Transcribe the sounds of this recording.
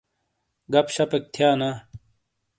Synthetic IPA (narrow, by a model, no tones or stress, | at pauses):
ɡɐpɕɐpek̚t̪ʰjaːnaː